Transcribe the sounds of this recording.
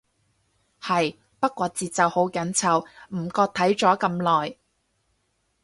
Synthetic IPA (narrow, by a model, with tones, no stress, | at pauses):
hɐ˨j | pɐ˥t̚kʷːɔː˧t͡siː˨t̚t͡sɐ˨who˨˥wkɐ˨˥nt͡sʰɐ˨˧˩wm̩˨˩kɔː˧t̪ʰɐ˨˥jt͡ʃɔː˨˥kɐ˧mlɔː˨j